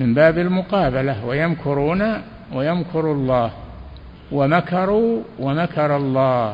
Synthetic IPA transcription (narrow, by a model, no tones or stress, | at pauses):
mɪmbaːbɪlmʊqɑːbalawajamkʰʊɾuːna | wajamkʰʊɾlˤːɑːh | wamakɑɾˤuːwamakɑɾˤɑlˤːɑː